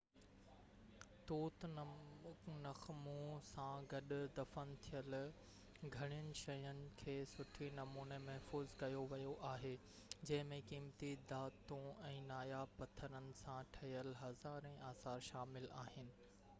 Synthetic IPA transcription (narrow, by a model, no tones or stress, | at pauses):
t̪uːt̪ | nɐxmũsãɡɐɗʊd̪ɐfənɪ̆t̪ʰijəl | ɡʱɐɽ̃ijənɪ̆ʃɐjənɪ̆kʰeːsʊʈʰinɐmuːnemɐɦfuːzkɐjoʋɐjoʔaːɦeː | d͡ʑɐ̃ɦɪ̃mẽkiːmt̪id̪aːt̪õɛ̃ːnaːjapɐt̪ʰəɾənɪ̆sãʈʰɐjəlɦɐzaːɾɛ̃ʔaːsaːɾʃaːmɪlaːɦɪnɪ̆